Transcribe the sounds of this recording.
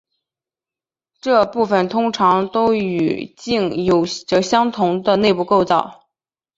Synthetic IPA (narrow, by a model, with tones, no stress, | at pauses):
ʈ͡ʂɤ˥˧pu˥˩fə˩nt̪ʰʊ˥ŋʈ͡ʂʰɑ˧˥ŋt̪o˥ʊy̰˨˩t͡ɕi˥˩ŋjo˨˩ʊʈ͡ʂɤ˧˥˩ɕjɑ˥ŋt̪ʰʊ˧˥ŋd̪ə˧ne˥˧ɪpu˥˧ko˥˧ʊt͡sɑ˥˩ʊ